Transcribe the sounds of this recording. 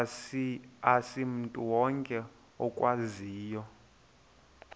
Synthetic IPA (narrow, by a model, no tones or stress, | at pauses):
asim̩tʼuwɔŋkʼɛ | ɔkʼwaziːjɔ